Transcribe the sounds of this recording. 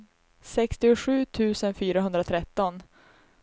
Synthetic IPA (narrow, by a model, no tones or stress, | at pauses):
sɛkst̪ɪʊɧʉ̟ːt̪ʰʉ̟ːsənfyːɾaɦɵnd̪ɾat̪ʰɾɛt̪ːɔn